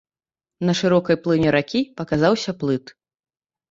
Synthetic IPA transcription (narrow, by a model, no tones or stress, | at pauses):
nɐʂɨɾɔkɐjplˠɨnʲɛɾakʲipɐkazawsʲɐplˠɨt̪